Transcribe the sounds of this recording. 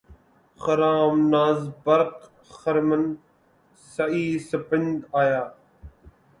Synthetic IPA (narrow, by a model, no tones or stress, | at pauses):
xəɾaːmnaːzbəɾq | xəɾmən | sɐiːsəpɪnd̪aːjaː